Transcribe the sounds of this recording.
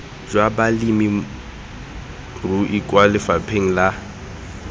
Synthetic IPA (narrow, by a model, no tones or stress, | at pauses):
d͡ʒwabalimi | ruʔikʼwalɪfapʰeŋ̩la